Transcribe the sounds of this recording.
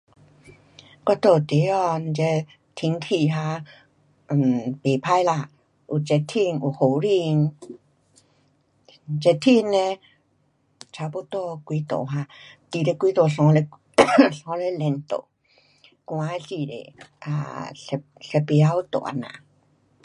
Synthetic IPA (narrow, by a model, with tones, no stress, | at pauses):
kɔ˧˦t̪o˧˨t̪e˨˦ɔ˧n˧t͡ʃe˧˦ | t̪ʰi˧˦ŋt̪ʰi˧˨ɦa˧˨ | pe˨pʰa˧˨jla˧˨ | ʔu˨t͡ʃe˧t̪ʰi˧ŋu˧˨ho˨˧˨ɾi˧ŋ | t͡ʃe˧t̪ʰi˧nẽ˧ | t͡ɕʰa˧pu˦t̪o˧kwi˧˦t̪o̰˨ɦa˧t̪i˨ɾe˧kʷi˧˦t̪o˨ɬɔ̃˧˦le˧ | ɬɔ̃˧˦le˧˦lɛ˧nt̪o̰˨˧˨ | kw̃ã˧˦si˧˨ɾḛ˨ʔa̰˧˨˧ | ɬe˧˦pi˧a˧˦u˧˦t̪o̰˨a̰˧˨nã̰˨